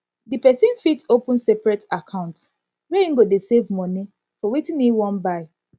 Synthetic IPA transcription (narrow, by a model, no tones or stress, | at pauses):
dipɛsĩnfitopũnsɛpɹɛtakʰãʊ̃nt | weĩŋɡodesevmɔni | fɔwitĩniwɔ̃nbaɪ